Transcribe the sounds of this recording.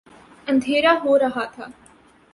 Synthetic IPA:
ə̃nd̪ʱeːɾaɦoɾɐɦaːt̪ʰaː

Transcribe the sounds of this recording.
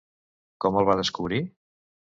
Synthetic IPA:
kɔməlˠβaðəskuβɾi

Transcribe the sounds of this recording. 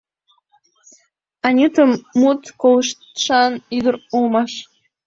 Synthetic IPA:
ɑnʲut̪əmːut̪koləʃt̪ʃɑnyd̪əɾulmɑʃ

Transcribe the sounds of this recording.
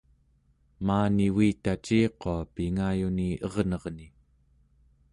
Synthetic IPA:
maːniwiːt̪at͡ʃiːqo̞apiŋajuniʔʌʁnʌʁni

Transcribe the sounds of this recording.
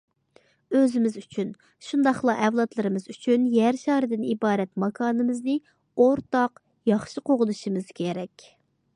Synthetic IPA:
øzɪmɪzyt͡ʃʰyn | ʃund̪ɑχlˠɑʔɛvlˠɑt̪lˠɨɾɨmɨzyt͡ʃʰynjæɾʃɑːɾɨd̪ɪnibɑːɾɛt̪mɑkʰɑːnɨmɨznɨ | oɾt̪ɑq | jɑχʃiqoʁʊd̪uʃimɨz̥kʲʰeɾɛkʲ

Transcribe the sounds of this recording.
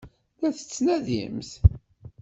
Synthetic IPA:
læθə̥t͡sːnæðḭmθ

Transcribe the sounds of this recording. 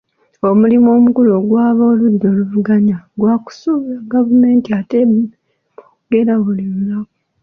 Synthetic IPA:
o̞mulimo̞ːmukuloːɡwaːβoluɾɾo̞ːluvuɡaɲaɡwaku̥suβaɡavume̞ːntiate | mokuɡe̞ɾaβuliɾulako

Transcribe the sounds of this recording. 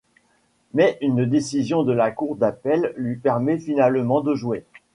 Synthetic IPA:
mɛʔynd̪esizjɔ̃d̪əlakuʁd̪apɛlːɥipɛʁmɛfinalmɑ̃d̪əʒuwe

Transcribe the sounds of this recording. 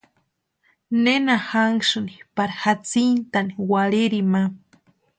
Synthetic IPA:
nenahaŋʃunipaɾahat͡sint̪aniwaliɾima

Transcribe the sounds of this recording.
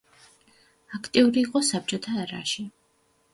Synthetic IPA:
akʰt̪ʼiuɾiːqʼɔsap̚t͡ʃʼɔt̪ʰaɾa̰ʃi

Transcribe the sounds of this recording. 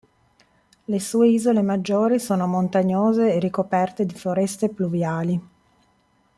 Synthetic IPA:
lesuːeiːzolemad͡ʒːoːɾisoːnomont̪aɲːoːzeːrːikopɛrt̪ed̪ifoɾɛst̪epluvjaːli

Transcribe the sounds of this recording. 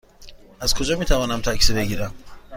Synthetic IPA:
æz̥kʰo̞d͡ʒɒːmiːt̪ʰævɒːnæmt̪ʰæcʰsibe̞ɟiːɾæm

